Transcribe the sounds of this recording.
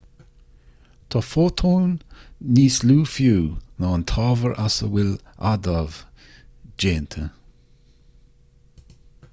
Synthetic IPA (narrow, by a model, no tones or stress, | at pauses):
t̪ʰɔfoːt̪ʰoːnːiːsluːfjuːnɑːnt̪ʰɑːvəɹʔasə̰wɪl | a̰d̪av | d͡ʒeːnt̪ʰə